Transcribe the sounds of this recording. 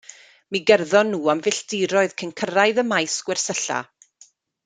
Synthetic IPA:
miɡɛrðɔnːuːamvɪɬd̥ɪɾɔɨðkʰənkʰəɾaɨðəmajsɡ̥wɛr̥səɬa̰

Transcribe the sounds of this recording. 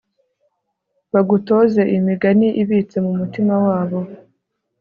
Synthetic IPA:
βaɡuto̞ze̞ʔimiɡaniʔiβiːt͡se̞mumutimawaːβo̞

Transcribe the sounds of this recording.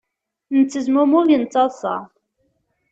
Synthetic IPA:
nət͡sːəzmʊmʊɾjənt͡sːɑðˤsˤɑ̰

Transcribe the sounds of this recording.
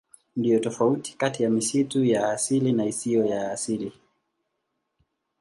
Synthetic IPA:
ndijɔtɔfauti̥katijamisitujaːsilinaisiɔjaːsili

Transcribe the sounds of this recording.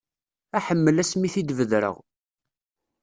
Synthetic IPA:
æħəmːəlæsmiθid̪vəðɾə̰ʁ

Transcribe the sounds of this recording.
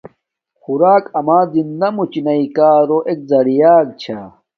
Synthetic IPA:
xuɾaːkɐmaːzinːɐmut͡ɕinɐikaːɾoʔek̚zɐɽijaːɡ̚t͡ɕʰa

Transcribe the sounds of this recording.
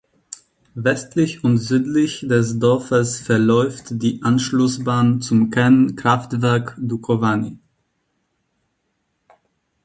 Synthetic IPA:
vɛstlɪçʊntz̥yːtlɪçd̥ɛs̬dɔɐfəsfɛɐlɔʏftd̥iːʔanʃlʊsbaːnt͡sʊmkʰɛnnkʁ̥aftv̥ɛɐkdukʰovaːnḭ

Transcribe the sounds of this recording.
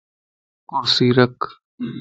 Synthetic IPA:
kʊɾsiːɾək

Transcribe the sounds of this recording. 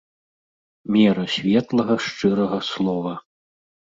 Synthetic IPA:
mʲɛɾɐsʲvʲɛt̪lˠɐɣɐʂt͡ʂɨɾɐɣɐslˠɔvɐ

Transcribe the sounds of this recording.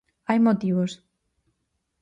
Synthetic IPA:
ajmot̪iβos

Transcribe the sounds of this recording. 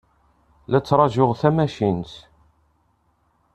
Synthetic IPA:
læt͡sːɾˤɑʒʊʁθæmæʃint̪

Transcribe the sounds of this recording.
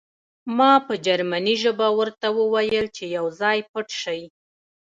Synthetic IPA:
mɑpəd͡ʒaɾmaniʒəbawəɾt̪awəwajəlt͡ʃejawzɑjpəʈʃaji

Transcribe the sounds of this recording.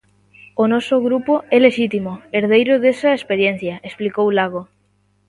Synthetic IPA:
onɔsʊɣɾupoɛleʃit̪imoeɾðejɾʊðesɐespeɾjen̟θjɐʔesplikowlaɣ̞o

